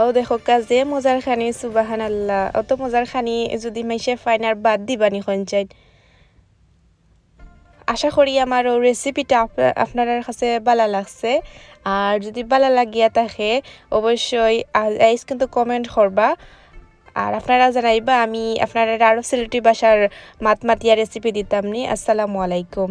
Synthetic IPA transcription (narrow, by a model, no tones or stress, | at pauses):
owd̪ɛxɔkazɛmɔzaɹkʰanisubaɦanalːaɔ̰t̪ɔmɔzaɹxʰanizɔd̪imajʃɛfajnaɹbad̚dibanixɔnt͡ʃajt | aʃaxɔɹiamaɹowɹesipitaa̰pnaɹaɹkʰasɛbalalaɡsɛ | aɹzodibalalaɡijataxɛɔbɔsɔjaajskint̪ukɔmɛntxʰɔɹba | a̰ɹapnaɹazanabaːmia̰pnaɹaɹaɹɔsilitibaʃaɹmatmatijaɹesipiditamniʔa̰sːalamualajkum